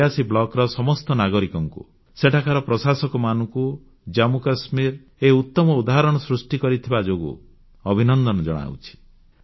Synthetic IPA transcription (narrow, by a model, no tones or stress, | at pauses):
asiblɔkɾɔsɔmɔst̪ɔnaɡɔɾikɔŋkṵ | seʈʰakaɾɔpɾɔsasɔkɔmanɔŋku | d͡ʒamukasmiɾ | eut̪ːɔmɔud̪aɦaɾɔɽ̃ɔsɾusʈikɔɾit̪ʰibad͡ʒoɡṵ | ɔbʱinɔnd̪ɔnɔd͡ʒɔɽ̃a̰w̰t͡ʃʰi̥